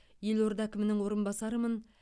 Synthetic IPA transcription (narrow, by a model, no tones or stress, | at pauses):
je̞lo̞ɾd̪ɑækʲɪmɪnɪŋwo̞ɾənbɑsɑɾəmən